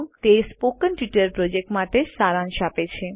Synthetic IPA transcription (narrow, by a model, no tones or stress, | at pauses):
mt̪espokənʈjiʈəɾpɾod͡ʑek̚ʈmaʈ̪esaɾanʃapet͡ɕʰe